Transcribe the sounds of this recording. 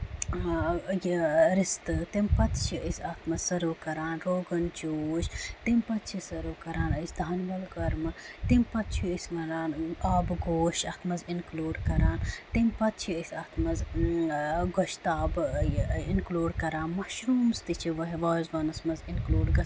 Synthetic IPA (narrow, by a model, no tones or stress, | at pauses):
jiɾist̪ɨt̪impɐt̪t͡ʃʰiəsʲɐt̪ʰmɐzsɐɾoːkɐɾaːnɾoːɡɐnd͡ʒoːʃt̪impɐt̪̚t͡ʃʰisɐɾoːkɐɾaːnɐsd̪ʱaːnʋɐlɡɐɾmɐt̪impɐt̪̚t͡ʃʰiəsmɐɾaːnaːbɡoːʃɐt̪mɐzinkloːɖkɐɾaːnt̪impɐt̪̚t͡ʃʰiəsʲɐt̪ʰmɐz | ɡoʃt̪aːb | inkloːɖkɐɾaːnmɐʃɾuːmst̪it͡ʃʰiʋɐɦiʋaːzʋɐnɐsmɐzinkloːɖɡɐs